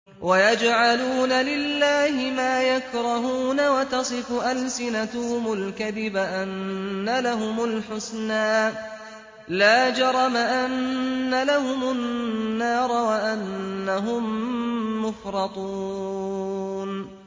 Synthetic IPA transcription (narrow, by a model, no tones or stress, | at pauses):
wʔajad͡ʒʕaluːnalɪlːaːhɪmaːjakɾˤɑɦuːnawat̪ɑsˤɨfʊʔalsɪnat̪ʊhʊmʊlkaðɪbaʔanːalaɦʊmʊlħʊsnaː | laːd͡ʒɑɾˤɑmaʔanːalaɦʊmʊnːɑːɾˤɑwaʔanːaɦʊmː | ʊfɾˤɑt̪ˤu | n